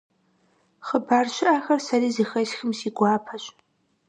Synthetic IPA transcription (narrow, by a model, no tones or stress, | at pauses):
χəbaːrʃʷɪʔaːxɐrsaɾiːzixɐʃxəmsiɡʷaːpʰaɕʷʼ